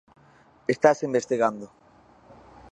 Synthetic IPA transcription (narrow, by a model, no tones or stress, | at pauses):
est̪asimbest̪iɣand̪o